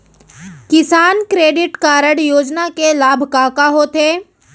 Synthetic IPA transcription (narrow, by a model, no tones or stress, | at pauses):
kɪsaːnkɾeːɖɪʈkaːɾəɽjoːd͡ʒnakelaːbʱkaːkaɦot̪ʰeː